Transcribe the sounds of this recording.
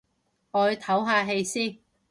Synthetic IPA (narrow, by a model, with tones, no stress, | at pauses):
ɔː˨˧˨t̪ʰɐ˨˥wɦaː˧ɦe˧jsiː˥